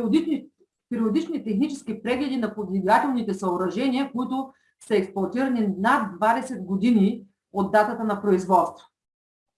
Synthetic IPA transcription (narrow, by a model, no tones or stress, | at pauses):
pɛɾiod̪it͡ʃnit̪ɛxnit͡ʃɛskipɾɛɡlɛd̪inɐpod̪lʲiɡat̪ɛlˠnit̪ɛsɐoɾɐʒɛniəkoit̪ʊ | sɐɛksplˠɐt̪iɾɐninad̪ːvad̪ɛsɛd̪ɡod̪ini | od̪ːat̪ət̪ənɐpɾoizvɔt̪st̪və̥